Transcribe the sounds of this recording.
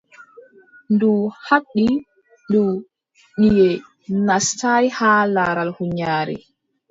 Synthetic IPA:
nduhaɗːi | ɗu | ɗijɛ | nastajhaːlaːɾalhuɲaːɾḭ

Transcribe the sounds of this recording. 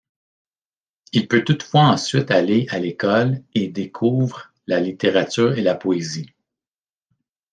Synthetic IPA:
ilpøt̪ut̪fwaɑ̃sɥɪt̪aleʔalekɔled̪ekʰuːvʁ | lalit̪eʁat͡syːʁelapɔezi

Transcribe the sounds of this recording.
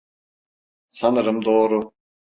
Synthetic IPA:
sɐnɾəmd̪oːɾu

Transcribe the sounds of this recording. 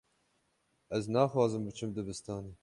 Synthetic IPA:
ɛznɑːxwɑːzɨmbɨt͡ʃʰɨmd̪ɨbɨst̪ɑːniː

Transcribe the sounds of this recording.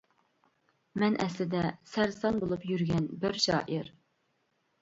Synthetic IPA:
mɛnʔɛslɪd̪ɛsæɾsɑnbolˠupjyɾɡʲɛnbɪɾʃɑ̰ːʔiɾ

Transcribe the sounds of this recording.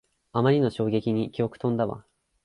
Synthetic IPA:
amaɾʲino̞ɕo̞ːɡe̞kʲiɲ̟ikʲio̞kɯ̥t̪õ̞nd̪aβa̰

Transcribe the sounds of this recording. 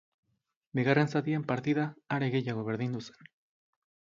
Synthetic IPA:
biɣare̞nsat̪iempaɾt̪iðaːɾe̞ɣe̞jaɣ̞o̞βe̞ɾðind̪use̥n

